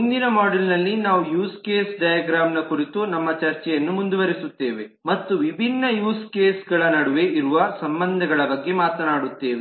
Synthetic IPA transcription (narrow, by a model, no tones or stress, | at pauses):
mund̪inɐmaːɽɐlnɐlːinaːʋujuːskeːsɖɐjaɡɾaːmnɐkuɾit̪unɐmːɐt͡ʃɐɾt͡ʃɛjɐnːumund̪uʋɐɾisut̪ːe̞ːʋe | mɐt̪ːuʋibʱinːɐjuːskeːsɡɐɭɐnɐɽuʋe̞ʔiɾuʋɐsɐmbɐnd̪ʱɐɡɐɭɐbɐɡːemaːt̪ɐnaːɽut̪ːe̞ːʋe